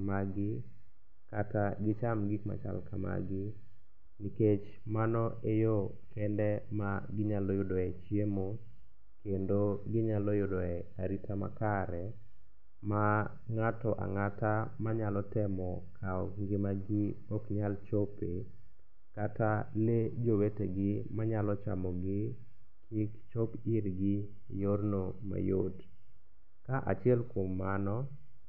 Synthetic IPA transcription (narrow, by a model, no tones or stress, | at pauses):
maɡɪ | kataɡɪt͡ʃamɡikma̰t͡ʃa̰lkama̰ɡɪ | niket͡ʃ | manɔʔejɔ | kɛndɛmaɡɪɲalɔjʊdɔɛt͡ʃiemo | kendoɡɪɲalɔjʊdɔɛaɾitʰama̰kaɾɛ | ma | ŋatɔʔa̰ŋatamaɲalɔtɛmɔkʰaɔŋɡɪmaɡɪɔkɲalt͡ʃope | kataled͡ʒoweteɡɪmaɲalɔt͡ʃa̰mɔɡɪ | kʰɪkt͡ʃopɪɾɡɪ | jornoma̰jo̰t | kaʔa̰t͡ʃɪɛlkwomːanɔ